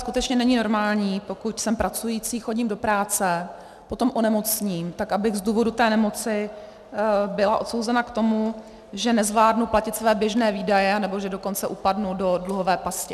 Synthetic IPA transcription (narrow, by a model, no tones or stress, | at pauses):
skut̪ɛt͡ʃɲɛnɛɲɪno̞ɾmaːlɲiːpo̞kucsɛmpɾʔat͡sujit͡siːxo̞ɟimdo̞pɾaːt͡sɛ | po̞t̪o̞mʔonɛmo̞t͡sɲiːmt̪akʔabɪɣzduːvodut̪ɛːnɛmo̞t͡sɪ | bɪlaʔo̞t̪sowzɛnakt̪o̞mu | ʒɛnɛzvlaːdnuplacɪt̪svɛːbjɛʒnɛːviːdajɛanɛbo̞ʒɛdo̞ko̞nt͡sɛʔupadnudo̞dluɦo̞vɛːpascɪ